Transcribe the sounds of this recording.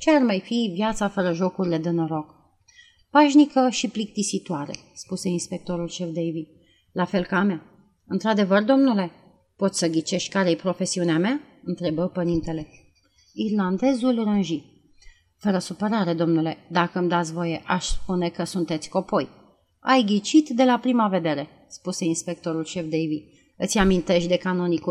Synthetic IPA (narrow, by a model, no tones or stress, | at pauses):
t͡ʃearmajfivjat̪safəɾəʒo̞kuɾile̞d̪eno̞ɾo̞k | paʃnikəʃiplik̚t̪isit̪oaɾe̞̰ | spuse̞inspe̞k̚t̪o̞ɾulʃe̞fd̪ejvid̪ | lafe̞lkamea | ɨnt̪ɾad̪e̞vərd̪o̞mnule̞ | po̞t̪sʲsəɡʲit͡ʃe̞ʃt̪̚ʲkaɾejepɾo̞fe̞siuneamea | ɨnt̪ɾe̞bəpəɾint̪e̞le̞ | irland̪e̞zulrɨnʒi | fəɾəsupəɾaɾe̞d̪o̞mnule̞d̪akəmd̪at̪sʲvo̞je̞ʔaʃspune̞kəsunt̪e̞t̪sʲko̞po̞j | a̰jɡʲit͡ʃit̪d̪e̞lapɾimave̞d̪e̞ɾe̞ | spuse̞inspe̞k̚t̪o̞ɾulʃe̞fd̪ejvi | ɨt̪sʲamint̪e̞ʃt̪ʲd̪e̞kano̞nikul